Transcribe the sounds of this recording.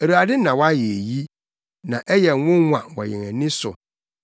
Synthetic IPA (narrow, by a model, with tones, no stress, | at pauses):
æ˨ɾu˨a˨dɪ˦nã˨wa˦je˨ji˦ | nã˨ʔɛ˦jɛ˨˦wʊ̃˦wã̰˨wɔ̰˨jɛ̃˨ŋæ̃˨nɪ̃˦sʊ̰˨